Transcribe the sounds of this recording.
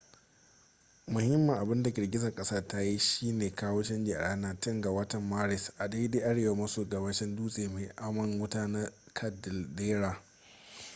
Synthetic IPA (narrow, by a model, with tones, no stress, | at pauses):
mʊ˨hɪ˦mːɐ˨ŋʔa˨bɪ˦nda˨ɡʲɪ˨rɡʲɪ˦zɐ˨ŋkʼɐ˦sa˦ta˦ji˦ʃiː˦neː˨kaː˦woː˦t͡ʃɐ˦nd͡ʒe˨ʔa̰˨ɽʔaː˦naː˦tɪ˦ŋɡa˨wɐ˦tɐ˨mːaː˦ɾɪ˨sʔa˨deː˦deː˦ʔa˦ɽeː˨wa˦mɐ˦soː˨ɡɐ˨bɐ˦ʃɪ˦nduː˦sʼeː˨meː˨ʔa˦mɐ˨ŋwʊ˦taː˦na˦kʰɐ˨dɪ˨ldeː˦ɾaː˨